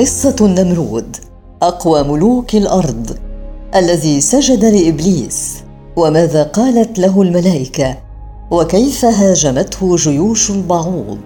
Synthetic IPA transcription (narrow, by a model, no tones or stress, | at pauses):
qɨsˤːɑnːamɾuːd̪ | ʔɑqwamʊluːkalʔɑɾˤd̪ˤʔalːaðiːsad͡ʒad̪alɪʔɪbliːs | wamaːðaːqɑːlat̪laɦʊlmalaːʔɪka | wakajfaɦaːʒamat̪hʊʒʊjuːʃalbɑʕuːd̪̚ˤ